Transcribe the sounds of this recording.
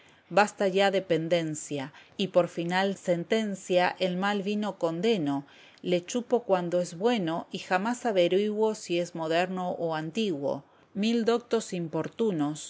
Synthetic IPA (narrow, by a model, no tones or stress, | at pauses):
bast̪aʒaðepe̞nd̪e̞nsjaipo̞ɾfinalse̞nt̪e̞nsjaʔelmalβino̞ko̞nd̪e̞no̞ | le̞t͡ʃupo̞kwand̪oezβwe̞no̞ʔixamasaβeɾiɣwo̞sie̞zmo̞ð̞eɾno̞ʔoant̪iɣwo̞̰ | mild̪o̞k̚t̪o̞simpo̞ɾt̪unos